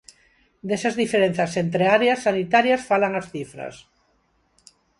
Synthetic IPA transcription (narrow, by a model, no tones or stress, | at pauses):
d̪esazðifeɾen̟θasent̪ɾeaɾeasːanit̪aɾjasfalaŋasθifɾɐ̰s